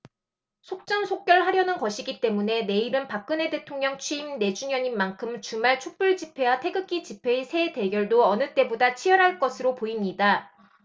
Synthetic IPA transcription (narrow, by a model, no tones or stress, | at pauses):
sʰok̚t͡ɕ͈ʌnsʰok̚k͈jʌɭhaɾjʌnɯnkʌɕʰiɡit͈e̞mune̞ne̞iɾɯnpak̚k͈ɯne̞de̞tʰoŋɲʌŋt͡ɕʰɥiimne̞d͡ʑuɲjʌɲimːankʰɯmt͡ɕumaɭt͡ɕʰok̚p͈uɭd͡ʑipʰe̞watʰe̞ɡɯk͈it͡ɕipʰe̞isʰe̞de̞ɡjʌɭdoʌnɯt͈e̞bodat͡ɕʰijʌɾɦaɭk͈ʌsʰɯɾopoimɲida